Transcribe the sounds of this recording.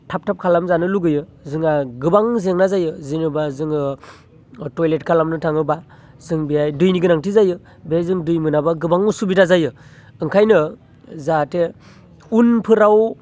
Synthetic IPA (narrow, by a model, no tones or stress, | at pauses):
tʰap̚tʰap̚kʰalamzanɯluɡɯjɯzɯŋaɡɯbaŋzeŋnazajɯzinɯbazɯŋɯ | tojlet̚kʰalamnɯtʰaŋɯba | zɯŋbijajdɯjniɡɯnaŋtʰizajɯ | bezɯŋdɯjmɯnabaɡɯbaŋusubitazajɯ | ɯŋkʰajnɯ | zatʰe | unpʰɯɾaw